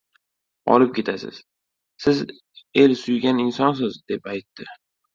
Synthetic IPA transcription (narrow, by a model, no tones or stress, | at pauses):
ɒ̰lɪp̚kʲʰe̞t̪ʰasɪ̰z̥ | sɪz | e̞lsʊjɡʲanɪnsɒns̬ɪzd̪e̞pajt̪ːɪ